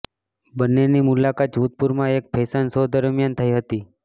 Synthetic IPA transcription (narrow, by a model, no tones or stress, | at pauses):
bənːenimulakat̪̚d͡ʒʱut̪̚puɾmãek̚pʰesansod̪əɾmjant̪ʰəiɦət̪i